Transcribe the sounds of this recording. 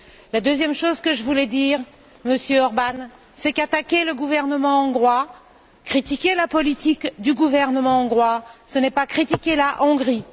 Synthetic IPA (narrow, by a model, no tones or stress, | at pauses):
lad̪øzjɛmʃozkəʒəvulɛd̪iʁ | məsjøɔʁban | sɛkat̪akʲeləɡuvɛʁnəmɑ̃ːɡʁwa | kχit̪ikʲelapɔlit̪ikd̪yɡuvɛʁnəmɑ̃ɑ̃ɡʁwasənɛpakχit̪ikʲelaʔɔ̃ɡʁi